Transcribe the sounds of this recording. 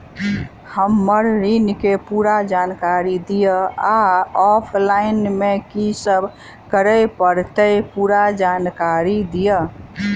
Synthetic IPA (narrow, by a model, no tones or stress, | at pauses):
həmːəɾːinkepuɾad͡ʒankaɾid̪ijəaɔpʰlaɪnmekisəbʱ | kəɾəjpəɾt̪əjpuɾad͡ʒankaɾid̪ijə